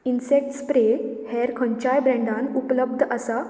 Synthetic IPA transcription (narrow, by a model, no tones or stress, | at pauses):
insek̚ʈspɾehɛɾkʰə̃ɲt͡ɕajbɾɛ̃ɳɖãnupləb̚d̪ʱəsa